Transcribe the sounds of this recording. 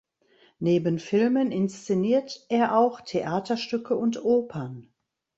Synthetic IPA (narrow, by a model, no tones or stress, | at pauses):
neːbənfɪlmənɪnst͡seniːɐtʔeːɐʔaʊxtʰeʔaːtɐʃtʏkʰəʊntʔoːpʰɐn